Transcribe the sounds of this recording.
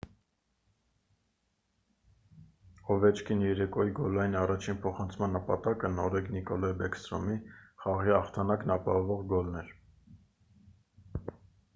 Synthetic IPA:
ɔvɛt͡ʃʰkʰinjɛɾɛkɔjiɡɔlɑjinɑrɑt͡ʃʰinpʰɔχɑnt͡sʰmɑnːəpɑt̪ɑkənɔɾɛknikɔlɑbɛkst̪ɾɔ̰miχɑʁiɑχt̪ʰɑnɑknɑpɑɦɔvɔʁɡɔlnɛɾ

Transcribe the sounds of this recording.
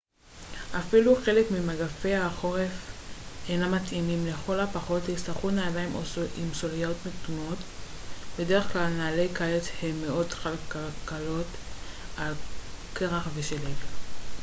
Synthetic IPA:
ʔafiluχe̞le̞kmimaɡafe̞jaχo̞ʁe̞fejnamatimimleχo̞lapaχo̞thist̪aχutnaːlajmoimsoliotmetuno̞t | be̞de̞eχklalnaːlejkalet͡shemːeʔo̞dkalkalkalo̞t | alkeʁaχveʃelel

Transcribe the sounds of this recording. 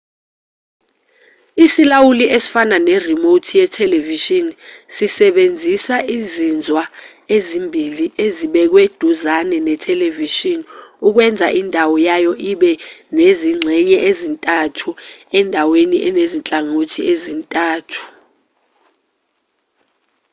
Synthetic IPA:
isilawuliʔesi̥fananɛrimotʰijɛtʰɛleviʃinsisɛɓend͡zʱisaizind͡zʱwa | ezimbʱiliʔeziɓɛk̬wed̥ʱuzanɛnɛtʰɛleviʃinuk̬wɛnd͡zʱaʔindʱawɔjajɔʔiɓɛneziŋ͡ǀʱɛɲɛʔezintʼatʰuɛndʱaweniʔɛnezint͡ɬʼaŋotʰiezintʼaːtʰu̥

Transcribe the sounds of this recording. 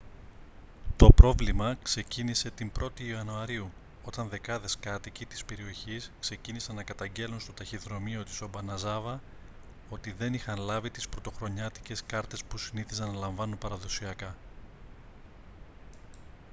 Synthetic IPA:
t̪o̞pɾo̞vlimɐkse̞cinise̞t̪imbɾo̞t̪iɐnuɐɾiu | o̞t̪ɐnðe̞kɐðe̞skɐt̪icit̪i̥spe̞ɾio̞çiskse̞cinisɐnːɐkɐt̪ɐɲɟe̞lunst̪o̞t̪ɐçiðɾo̞mio̞t̪i̥so̞bɐnɐzɐvɐ | o̞t̪iðe̞nixɐnlɐvit̪ispɾo̞t̪o̞xɾo̞ɲɐt̪i̥ce̞skɐɾt̪e̞spusiniθizɐnɐlɐɱvɐnunpɐɾɐðo̞siɐkɐ

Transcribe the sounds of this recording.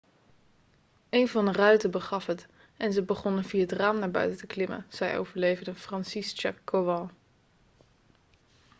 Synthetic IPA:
ejnvɑndərœɥtəbəχɑfɦət | ʔɛnzəbəχɔnənviːaətraːmnaːɹbœ̰ɥtətəklɪmə̰z̥ɛjʔo̰wvəɹlejvəɹdəfrɑnsist͡ʃakːoʋɑlˠ

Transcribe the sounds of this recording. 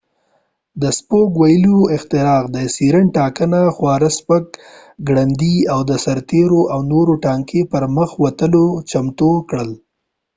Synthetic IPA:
d̪əspokwajəloɪxt̪ɪɾɑqd̪əsiɾəɳʈɑkənaxwɑɾaspək | ɡɽand̪iawd̪əsaɾt̪eɾoʔawnoɾoʈɑŋkepəɾməxwat̪əlot͡ʃamt̪okɽəl

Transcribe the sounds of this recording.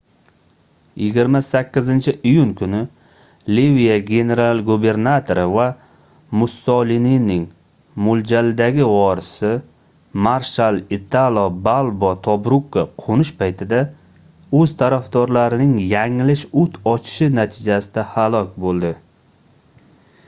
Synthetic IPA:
jɪɡʲɪɾmasakʲːɪzɪnt͡ʃʰɪʔijuŋkʰʊnɪ | livijaɡʲe̞ne̞ɾalˠɡube̞ɾnat̪ʰo̞ɾɪva | mʊsɒlininɪŋ | mʊld͡ʒalɪd̪aɡʲɪvɒɾɪsɪ | maɾʃalɪt̪ʰalˠɒbalˠbɒt̪ʰɒbɾukːaqʰonɪʃpʰajt̪ʰɪd̪a | ɵzt̪ʰaɾafd̪ɒɾlaɾɪnɪŋjaŋɪlɪʃʊt̪ʰɒt͡ʃʰɪ̥ʃɪnat̪ʰɪd͡ʒasɪd̪ahalˠɒkʲbolˠd̪ɪ

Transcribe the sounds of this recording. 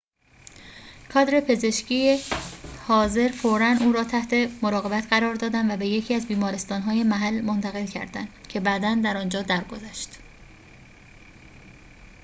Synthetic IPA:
kʰɒːd̪ɾe̞pʰe̞ze̞ʃcʰijehɒːze̞ɾfoɾænuːɾɒːt̪ʰæht̪ʰe̞moɾɒːɣe̞bæt̪ʰɢæɾɒːɾd̪ɒːd̪ænvæbe̞je̞cʰiːæzbiːmɒːɾest̪ɒːnɦɒːje̞mæɦælmo̞nt̪ʰæɣe̞lcʰæ̰ɾd̪æ̰nd̪cʰe̞bæːd̪ænd̪æɾɒːnd͡ʒɒːd̪æɾɡo̞zæʃt̪

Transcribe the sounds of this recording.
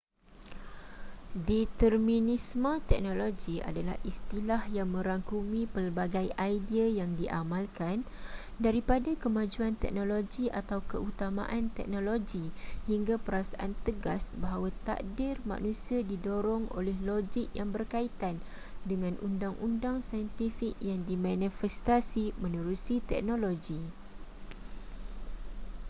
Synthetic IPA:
dit̪ərmĩnismãt̪ɛk̚nõloɡia̰dala̰hist̪ilahjaŋmə̃ɾaŋkumĩpərbaɡajajdiajaŋdiʔa̰mãlkan | daɾipadakəmãd͡ʒuant̪ɛ̰k̚nõloɡiʔat̪awkəut̪amã̰ʔant̪ɛ̰k̚nõloɡihiŋɡapəɾasaʔant̪əɡasbaɦawat̪a̰k̚dɪrmã̰ʔnũsiadidoɾɔŋo̰lɛhloɡik̚jaŋbərkait̪an | dəŋãnʔundaŋʔundaŋsajɛnt̪ifik̚jaŋdimanifɛst̪asimə̃nuɾusit̪ɛ̰k̚nõloɡi

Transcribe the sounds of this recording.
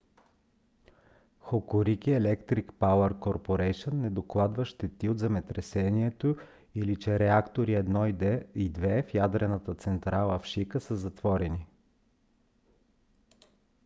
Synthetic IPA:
xokoɾikiɛlɛkt̪ɾikpawəɾkoɾpoɾɛjʃənːɛd̪oklˠad̪vəʃt̪ɛt̪iod̪zɛmɛt̪ɾɛsɛniɛt̪o | ilit͡ʃɛɾɛakt̪oɾiɛd̪nɔiid̪vɛfjad̪ɾɛnət̪ət̪sɛnt̪ɾalˠəfʃikəsəzɐt̪v̥ɔɾɛni

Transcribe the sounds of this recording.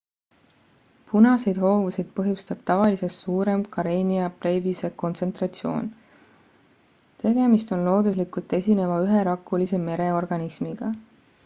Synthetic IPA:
punɑsejd̪ho̞ːvusijd̪̥̚pɤɦjust̪ɑb̥̚t̪ɑvɑlise̞t̪suːɾe̞mkɑɾeːniɑpre̞ːvise̞ko̞nt̪se̞nt̪rɑt̪sio̞̰ːn | t̪e̞ɡ̥e̞mist̪o̞nlo̞ːd̪̥uslikult̪ːˑe̞sʲine̞vɑyɦe̞ɾɑkːˑulise̞me̞ɾe̞o̞rɡ̥ɑnismiɡ̥ɑ

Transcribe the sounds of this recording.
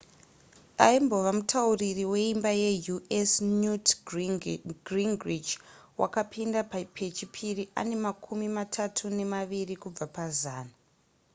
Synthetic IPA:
aimbo̞ʋamutʰauririwe̞imbajejuesnut | ɡriŋɡrid͡ʒwa̰kapʰindapapʰet͡ʃipʰiriʔa̰ne̞makʰumimatʰatʰune̞maʋirikub͡vapazaːna

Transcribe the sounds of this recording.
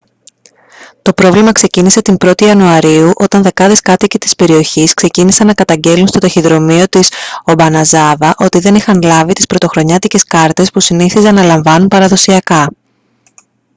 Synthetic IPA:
t̪o̞pɾo̞vlimɐkse̞cinise̞t̪imbɾo̞t̪iɐnuɐɾiuʔo̞t̪ɐnðe̞kɐðeskɐt̪icit̪i̥spe̞ɾio̞çiskse̞cinisɐnːɐkɐt̪ɐɲɟe̞lunst̪o̞t̪ɐçiðɾo̞mio̞t̪isobɐnɐzɐvɐʔo̞t̪iðe̞nixɐnlɐvit̪ispɾot̪o̞xɾo̞ɲɐt̪ice̞skɐɾt̪e̞spusiniθizɐnːɐlɐɱvɐnunpɐɾɐðo̞siɐkɐ

